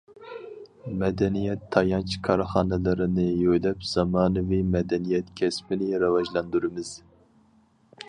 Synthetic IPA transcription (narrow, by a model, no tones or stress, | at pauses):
mɛd̪ɛnijɛt̪ʰːɑjɑnt͡ʃʰkʰɑɾχɑːnɛlˠɨɾɪnɪjøjlɛpz̥ɑmɑːnɨvimɛd̪ɛnijɛt̪kʲʰɛsmɪnɪɾɑvɑʒlˠɑnd̪uɾɨmɪz̥